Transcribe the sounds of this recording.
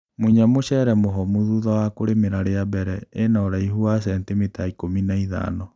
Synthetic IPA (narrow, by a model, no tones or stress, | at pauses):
muiɲamoɕɛɾɛmoɦɔmuðuðawakoɾemeɾaɾeabɛɾɛenaɔɾaihuasɛntimitaikominaiða̰ːnɔ